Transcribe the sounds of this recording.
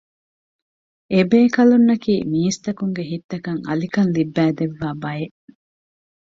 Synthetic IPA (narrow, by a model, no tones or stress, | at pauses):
ʔebeːkɐlunːɐkiːmiːst̪ɐkuŋɡeɦit̪ːɐkɐŋɐ̰likɐnlibːæːd̪eʋːaːbɐjeʔ